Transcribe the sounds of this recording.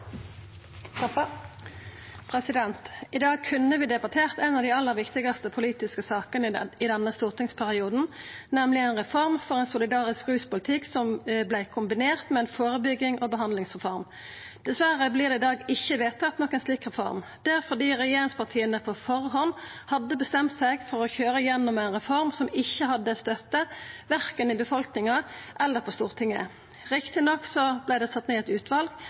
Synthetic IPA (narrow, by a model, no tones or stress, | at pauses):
pʰɾɛsɪd̪ɛnt̪ɪd̪ɑːɡ̚kʰʉnəʋɪːd̪ɛbɑt̪ʰeːʁt̪ɛnɑʋd̪ɪːɑlːəɾʋɪkt̪ɪɡɑst̪əpʰʊliːt̪ɪskəsɑːkənəɪd̪ɛnːəst̪uːʁt̪ɪŋspʰæʁɪuːd̪n̩nɛmlɪɛnʁɛfɔʁmfɔʁɛnsʊlɪd̪ɑːʁɪskʁʉːspʊlɪt̪ʰɪksɔmblæɪkʰʊmbɪneːʁt̪mɛɛnfoːɾəbʏɡːɪŋʔɔbəɦɑnd̪lɪŋsʁɛfɔʁm | d̪̥ɛsʋæɾəblɪʁd̪ɛɪd̪ɑːɡɪçːəʋeːt̪ʰːɑt̪nɔkːæɛɪnsliːkʁɛfɔ̰ɾmd̪̥ɛfɔʁd̪iːʁɛjeːʁɪŋspʰɑʁt̪ʰiːənəpʰɔfɔɾɦɔnhɑd̪ːəbəst̪ɛmt̪sæɪɡfɔɾɔçøːɾəjɛnːɔmæɪnʁɛfɔɾmsɔmɪçːəhɑd̪ːəst̪œt̪ːəʋæʁkənɪbəfɔlknɪŋɑʔɛlːəpʰɔst̪uːʁt̪ʰɪŋːə̰ | ʁɪkt̪ɪnɔksɔblæɪd̪ɛsɑt̪ːneːɛt̪ʉːt̪ʋɑlɡ